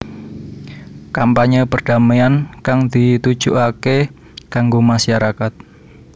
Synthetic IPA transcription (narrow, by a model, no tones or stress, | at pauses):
kampaɲəpərd̥a̤meankaŋd̪it̪ud̥ʒ̥uʔake | ɡ̥aŋɡomaʃaɾakat̪̚